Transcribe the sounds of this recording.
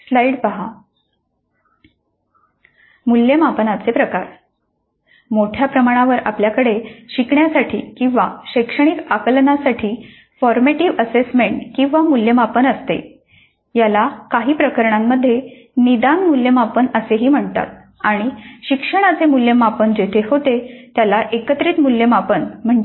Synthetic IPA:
slaiɽpaɦa | muljəmapənat͡sepɾəkaɾ | moʈʰjapɾəmaɽ̃aʋəɾa̰pljakəɽeɕikɳjasaʈʰiːkĩw̃ʋaɕəjkʂəɽ̃ikakəlnasaʈʰiː | fɔɾmeʈiʋəsesmeɳʈkĩw̃ʋamuljəmapənəst̪ḛ | jalakaɦiːpɾəkəɾɳamːəd̪ʱːje | nid̪anmuljəmapənəseɦiːm̤əɳt̪a̰t̪̚ | aɽ̃iɕikʂəɽ̃at͡semuljəmapənd͡ʑet̪ʰeɦot̪et̪jalaʔekət̪ɾiːt̪muljəmapənm̤əɳd͡ʑe

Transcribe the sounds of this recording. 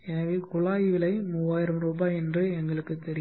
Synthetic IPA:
ɛnɐʋeːkʊɭaːjɪʋɪlɐɪmʊʋaːjɪɾɐmɾuːbaːɛndrɯɛŋɡɐɭɯkːɯt̪ːɛɾɪj

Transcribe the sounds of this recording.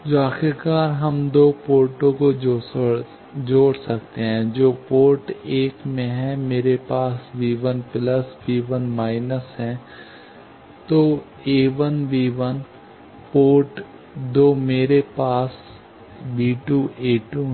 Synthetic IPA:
d͡ʒoaːxɪɾkaːɾɦɐmd̪oːpoːɾʈõkod͡ʒ | d͡ʒoːɽsɐkt̪eɦɛ̃ːd͡ʒoːpoːɾʈeːkmẽɦɛ̃meːɾepaːsʋiːʋənpləsʋiːʋənmaːɪnəsɦɛ̃ː | t̪oː | eːʋənʋiːʋən | poːʈ | d̪oːmeːɾepaːs | biːʈuʔeːʈu

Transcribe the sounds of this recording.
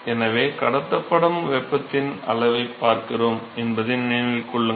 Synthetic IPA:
ɛnɐʋeːkɐɽɐt̪ːɐpːɐɽɐmʋɛpːɐt̪ːɪnɐ̰lɐʋɐɪpːaːɾkɪroːmɛnbɐðɪnniːnɪlkɔɭːɯ

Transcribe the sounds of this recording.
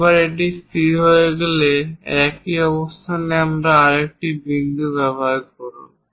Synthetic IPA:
baɾeʈ̬ist̪ʰiɾɦojeɡeleɛkiɔbost̪ʰaneamɾaaɾek̚ʈibind̪ubɛbʱakɔɾṵn

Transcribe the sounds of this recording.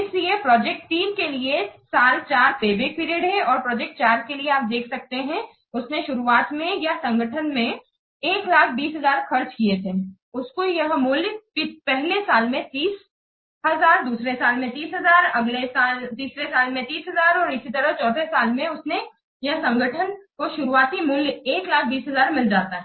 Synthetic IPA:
ɪsliepɾɔːd͡ʒɛk̚ʈt̪iːnkeliesaːlt͡ʃaːɾpeːbeːk̚piːɾijəɖɦɛ̃ɔːɾpɾɔːd͡ʒɛːk̚ʈ̚t͡ʃaːɾkelieaːp̚d̪eːkʰsɐk̚t̪eɦɛ̃ | ʊsneʃʊɾuaːt̪mẽjɐɦsɐ̃ŋɡəʈʰənmẽ | eːklaːkʰbiːsɦɐzaːɾxɐɾt͡ʃkiet̪ʰeː | ʊskojɐɦmʊljpipɛɦlesaːlmẽt̪iːs | ɦɐzaːɾd̪uːsɾesaːlmẽt̪iːsɦɐzaːɾɐɡlesaːlt̪iːsɾesaːlmẽt̪iːsɦɐzaːɾɔːɾɪsit̪ɐɾəɦt͡ʃɔːd̪ʱesaːlmẽʊsne | jɐɦsɐ̃ŋɡʱəʈʰənkoʃʊɾuaːt̪imʊljeːklaːkʰbiːsɦɐzaːɾmɪld͡ʒaːt̪aɦɛ

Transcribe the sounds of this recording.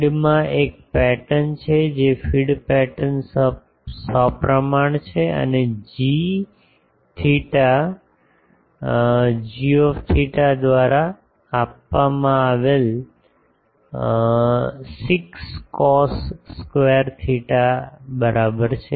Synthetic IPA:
ɖmãʔek̚pɛʈənt͡ʃʰed͡ʒefiɽpɛʈəns | səpɾəmaɳ̃t͡ʃʰeə̰ned͡ʒi | t̪ʰiʈa | d͡ʒiɔft̪ʰiʈad̪ʋaɾaː | apʋamãaʋel | sikskɔsːkʋeəɾt̪ʰiʈabəɾʔabəɾt͡ʃʰe

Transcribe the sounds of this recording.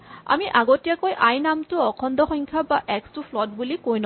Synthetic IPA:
a̰miʔaɡɔtijakojʔajnamtuɔkʰɔndɔxɔŋkʰabaʔɛkstupʰlɔt̚bulikojnɔ

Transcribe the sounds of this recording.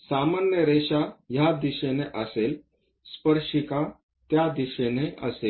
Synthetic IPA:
samanjəɾeʂajad̪iɕeneʔəsel | spəɾʂika | t̪jad̪iɕeneʔə̰sel

